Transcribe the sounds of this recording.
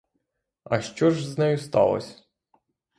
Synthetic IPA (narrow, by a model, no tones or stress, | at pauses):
ɐʃt͡ʃɔʒznɛjʊst̪ɑ̰lˠɔ̰sʲ